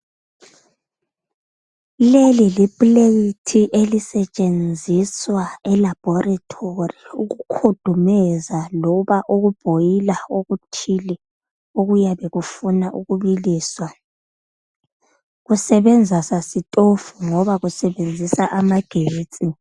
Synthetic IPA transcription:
lelilipʼlejitʰiʔelisɛt͡ʃʼend͡zʱiswaɛlab̥ʱɔratʰoriuɣukʰud̥ʱumɛzalɔβaʔoɣub̥ʱojilaoɣutʰili | oɣujaβeɣufunaʔuɣuβiliːswa | ɣusɛβɛnd͡zʱasasitʼofuŋɔβaɣusɛβend͡zʱisaʔamaɡ̥ʱeːt͡sʼi

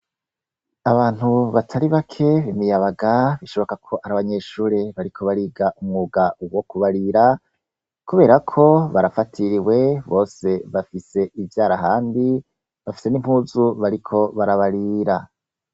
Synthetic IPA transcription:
aβaːn̥huβatʰaɾiβakʰe̞βimijaβaɡaβiʃo̞βo̞kakʰo̞ʔaɾaβaɲe̞ʃuːɾe̞βaɾikʰo̞βaɾiːɡaʔumŋuːɡawo̞kuβaɾiɾa | kuβe̞ːɾakʰo̞βaɾafatʰiɾiwe̞βo̞ːse̞βafise̞ʔivjaːɾaɦaːmbi | βafi̥se̞nim̥huːzuβaɾikʰo̞βaɾaβaɾiːɾa

